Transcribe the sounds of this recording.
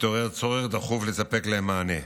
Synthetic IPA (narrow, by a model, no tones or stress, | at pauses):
t̪oʁeʁt͡soʁeχd̪aχuflesape̞kleemːaːne̞